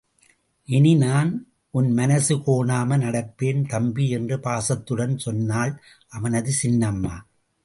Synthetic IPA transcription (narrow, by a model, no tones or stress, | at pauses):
ʔɪninaːn | ʔʊnmɐnɐsɯkoːɳaːmɐnɐɽɐpːeːnt̪ɐmbiɛndrɯpaːsɐt̪ːɯɽɐnsɔnːaːl | ʔɐʋɐnɐðɯsɪnːɐmːa̰ː